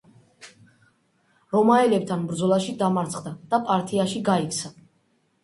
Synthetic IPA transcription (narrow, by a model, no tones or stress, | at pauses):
ɾɔmaɛlɛb̚t̪ʰanbɾd̪zɔlˠaʃid̪amaɾt̪sʰχd̪ad̪̥apʼaɾt̪ʰiaʃiɡaikʰt̪sʰa